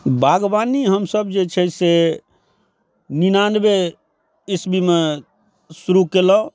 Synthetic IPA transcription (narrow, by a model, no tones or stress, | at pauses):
baɡbaniɦəmsəbd͡ʒet͡ʃʰɛse | ninanbe | ɪsbʱime | suɾukelɔ